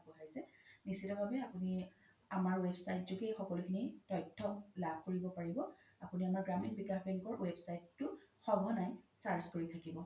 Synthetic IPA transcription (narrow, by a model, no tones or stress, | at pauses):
bɔɦajsɛnisitɔbʱabɛapuni | amaɹwebsajtzukejxɔkɔlukʰinitɔjtʰːɔlab̚ʱkoɹibɔpaɹibɔ | apuniamaɹɡɹaminbikaxbɛŋkɔɹwebsajtːʊxɔɡʱɔnajsaɹzkoɹitʰakibɔ